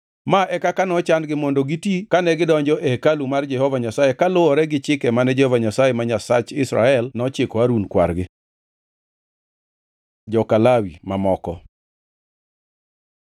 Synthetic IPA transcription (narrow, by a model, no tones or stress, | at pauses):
maʔɛkakanɔt͡ʃandɡɪmɔndoɡitikanɛɡɪdɔɲd͡ʒɔʔɛkalumard͡ʒɛhɔvaɲasajekalʊɔɾɛɡɪt͡ʃɪkɛmanɛd͡ʒɛhɔvaɲasajemaɲasat͡ʃɪsɾa̰ɛlnɔt͡ʃekwaɾunkwa̰rɡɪ | d͡ʒɔkalawimamɔkɔ